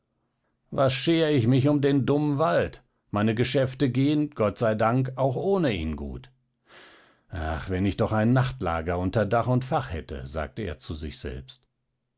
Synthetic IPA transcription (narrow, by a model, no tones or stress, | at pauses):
vasʃeːəɪçmɪçʊmdeːndʊmənvalt | maɪnəɡəʃɛftəɡeːənɡ̥ɔtz̥aɪdaŋkaʊxʔoːnəḭːnɡṵːt | ʔa̰χvɛnɪçd̥ɔχaɪnːaχtla̰ːɡɐʊntɐdaχʊntfaχhɛ̰tʰə̰za̰ːk̚təḛːɐt͡suzɪ̰çz̥ɛ̰lpst